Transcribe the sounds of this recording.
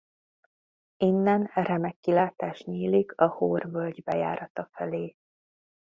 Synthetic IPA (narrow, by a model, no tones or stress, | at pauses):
inːɛnrɛmɛkːilaːt̪aːʃɲiːlikʰɒhoːrvølɟbɛja̰ːɾɒt̪ɒfɛleː